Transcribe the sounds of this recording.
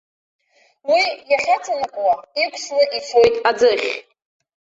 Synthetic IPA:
wijaχʲat͡sʰanakʷʼwaikʷʰʼslɨʔit͡sʰojtʼad͡zɨχʲ

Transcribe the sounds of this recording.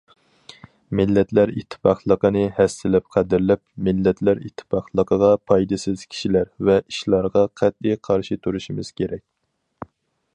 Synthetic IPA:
mɪlːɛt̪læɾit̪ʰːɪ̥pɑχlˠəqənɨhɛsɪlɪp̚qʰæd̪ɪɾlɪp̚mɪlːɛt̪ʰlæɾit̪ʰːɪ̥pɑχlˠəqəʁɑpʰɑjd̪ɨsɪz̥kʲʰi̥ʃilæɾvɛʔiʃlˠɑɾʁɑqʰæt̪̚iqʰɑɾʃit̪ʰuɾuʃimɪz̥kʲʰeɾɛk̚ʲ

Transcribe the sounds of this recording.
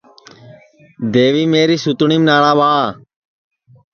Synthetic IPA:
d̪eːʋiːmeːɾiːsut̪ɳiːmnaːɳãːʋaː

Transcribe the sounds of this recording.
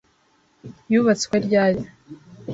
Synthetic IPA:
juβat͡skwaɾɟaːjo

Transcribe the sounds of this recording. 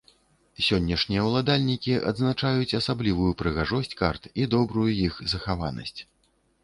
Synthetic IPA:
sʲɔnʲːɐʂnʲijɐwlˠad̪alʲnʲikʲiʔɐ̰d̪znat͡ʂajut͡sʲɐsablʲivujupɾɨɣaʐɔsʲt͡sʲkart̪id̪ɔbɾujujixzɐxavanɐ̰sʲt͡sʲ

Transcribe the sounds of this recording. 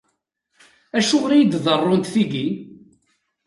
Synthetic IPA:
æʃʊʁɾijid̪ðˤərˤːʊnt̪θiɡi

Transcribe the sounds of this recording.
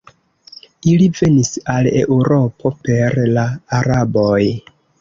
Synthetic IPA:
ilive̞nisale̞̰ʔuɾo̞pʰo̞pe̞ɾlaːɾaboj

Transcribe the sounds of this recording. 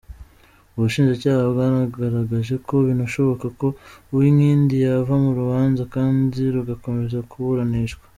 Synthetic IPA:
uβuʃiːnʒacaːhaβɡanaɡaɾaɡaʒe̞ko̞βinaʃo̞βo̞kako̞uwimŋiːndijavamuɾuβaːnzakaːndiɾuɡako̞me̞zakuβuɾaniʃɡwḁ

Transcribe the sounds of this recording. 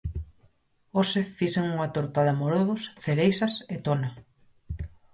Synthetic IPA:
osefiseŋuŋat̪oɾt̪aðamoɾoðʊsθeɾejsɐset̪ona

